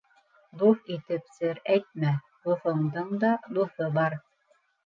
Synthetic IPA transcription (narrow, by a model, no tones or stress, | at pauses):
d̪uθit̪ɘpsɘɾæjt̪̚mæ | d̪uθɤ̆ɴd̪ɤɴd̪ɑd̪uθɤbɑɾ